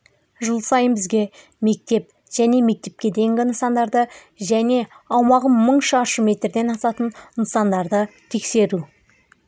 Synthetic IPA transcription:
ʒəlˠsɑjənbɪzɡʲe̞ | me̞k̚t̪e̞p̚ | ʒ̥æne̞me̞k̚t̪e̞p̚kʲe̞d̪e̞jɪŋɡʲɪənsɑnd̪ɑɾd̪ə | ʒæne̞ | ɑwmɑʁəməɴʃɑɑʃəme̞t̪ɾd̪e̞nɑsɑt̪ənnsɑnd̪ɑɾd̪ət̪ʰe̞kse̞ɾu

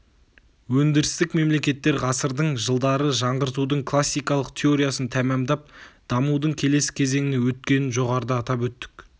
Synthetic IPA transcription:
wɵnd̪ɪɾɪst̪ɪkme̞mle̞kʲe̞t̪ːe̞ɾʁɑsəɾd̪əɴʒəlˠd̪ɑɾəʒɑɴʁəɾt̪ud̪əɴkʰlˠasːijkɑlˠəq̚t̪ʰe̞o̞ɾijasənt̪ʰæmɑmd̪ɑp̚d̪̥ɑmud̪əɴkʲʰe̞le̞sɪ̥kʲʰe̞ze̞ŋɪnewɵt̪̚kʲe̞nɪnʒo̞ʁɑɾəd̪əːt̪ɑp̬wɵt̪ːɪ̥k

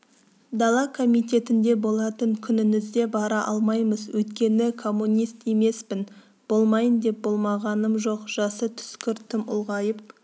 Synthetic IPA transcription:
d̪ɑlˠɑkʰo̞mijt̪ʲe̞t̪ɪnd̪e̞bo̞lˠɑt̪əɴkʲʰʏnɪnɪzd̪e̞bɑɾɑʔɑlˠmɑjməzwɵjt̪kʲe̞nɪkʰo̞mːunijst̪e̞me̞spɪn | b̥o̞lˠmɑjənd̪e̞p̚bo̞lˠmɑʁɑnəmʒo̞qʒ̥ɑsət̪ʰʏ̥skʲʏɾt̪ʰɪmʊ̰lˠʁɑjəp̚

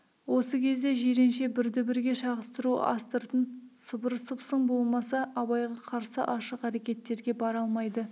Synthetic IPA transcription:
wo̞səkʲʰe̞zd̪e̞ʒeɾe̞nʃe̞bɪɾd̪ɪbɪɾɡʲe̞ʃɑʁəst̪əɾṵɑ̰st̪əɾt̪ənsəbəɾsəpsəɴbo̞lˠmɑsɑɑβɑjʁɑqʰɑɾsəʔɑʃəqæɾe̞kʲe̞t̪ːe̞ɾɡʲe̞bɑɾɑlˠmɑjd̪ə

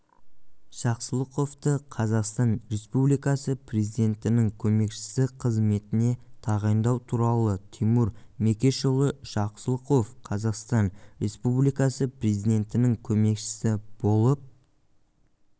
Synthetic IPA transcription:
ʃɑqsəlˠəqo̞ft̪əqʰɑzɑqst̪ɑnɾe̞spublijkɑsəpʰre̞zid̪e̞nt̪ɪnɪŋkʲʰɵme̞kʃɪ̥sɪqʰəzme̞t̪ɪne̞t̪ʰɑʁɑjnd̪ɑwt̪ʰuɾɑlˠət̪ʰimuɾme̞kʲe̞ʃolˠəʃɑqsəlˠəqo̞fqʰɑzɑqst̪ɑnɾe̞spublijkɑsəpre̞zijd̪ʲe̞nt̪ɪnɪŋkʲʰɵme̞kʃɪ̥sɪb̥o̞lˠəp̚

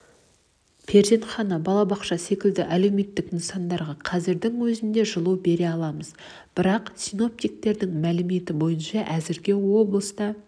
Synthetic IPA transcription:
pʰe̞ɾze̞nχɑnɑbɑlˠɑbɑqʃɑse̞kʲɪld̪ɪʔæle̞wme̞t̪ːɪkɪnsɑnd̪ɑɾʁɑqʰɑzɪɾd̪ɪŋwɵzɪnd̪e̞ʒəlˠuwbe̞ɾe̞ɑlˠɑməz | b̥ɪɾɑqsijno̞p̚t̪ijk̚t̪e̞ɾd̪ɪŋmælɪme̞t̪ɪbo̞jənʃɑʔæzɪɾɡʲewo̞blˠəst̪ɑ

